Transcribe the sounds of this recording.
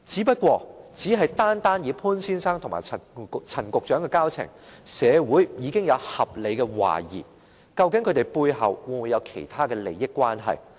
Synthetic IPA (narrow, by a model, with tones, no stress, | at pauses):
t͡siː˨˥pɐ˥t̚kʷɔː˧t͡siː˨˥ɦɐ˨jt̪aː˥nt̪aː˥njiː˨˧pʰuː˥nsiː˥nsaː˥ŋt̪ʰŋma̰ː˨˩ɐ˨˩˨t͡sʰɐ˨˩nkʊ˨k̚t͡ʃœː˨˥ŋkɛ˧kaː˥wt͡sʰɪ̰˨˩ŋsɛː˨˧wuː˨˥jjiː˨˧kɪ˥ŋjɐ˨˧whɐ˨p̚le˨jkɛ˧wa̰ː˨˩jḭː˨˩ | kɐ˧wkɪ˨˥ŋkʰɵ˨˧t̪e˨˩jpu˧jɦɐ̰˨wwu˨mu˨˧jɐ˨˧wkʰe˨˩jt̪ʰaː˥kɛː˧le˨˩jɪ˥kʷːwaː˥nɦɐ̰˨j